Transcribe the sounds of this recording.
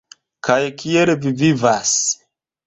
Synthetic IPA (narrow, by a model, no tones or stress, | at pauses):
kʰajkʰielvivivas